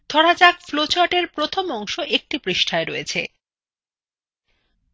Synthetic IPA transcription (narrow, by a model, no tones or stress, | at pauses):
d̪ʱɔɽad͡ʑakflot͡ɕaʈeɾpɾot̪ʰomɔŋʃoʔek̚ʈipɾiʃʈʰaeɾoet͡ɕʰḛ